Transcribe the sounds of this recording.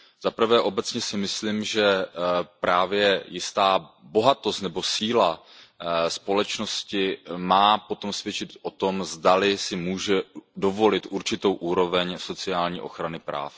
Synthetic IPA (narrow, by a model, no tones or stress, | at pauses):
z̥apr̩vɛːʔo̞bɛt͡sɲɛsɪmɪsliːmʒɛpɾaːvjɛjɪst̪aːbo̞ɦat̪o̞st̪nɛbo̞siːla | spo̞lɛt͡ʃno̞scɪmaːpo̞t̪o̞msvjɛt͡ʃɪt̪ʔo̞t̪o̞mzdalɪsɪmuːʒɛdo̞vo̞lɪt̪ʔuɾt͡ʃɪt̪o̞wʔuːɾo̞vɛɲso̞t͡sɪaːlɲiːʔo̞xɾanɪpɾa̰ːf